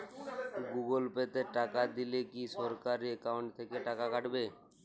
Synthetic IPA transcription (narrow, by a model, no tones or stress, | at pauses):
ɡuɡolpet̪eʈakad̪ilekiʃɔɾkaɾiekawɳʈt̪ʰekeʈakakaʈbe